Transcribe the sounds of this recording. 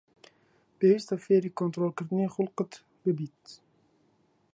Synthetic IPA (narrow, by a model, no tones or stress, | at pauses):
b̥eist̪afeːɾikont̪ɾolˠkərd̪niχulˠqət̪ | bəbit̪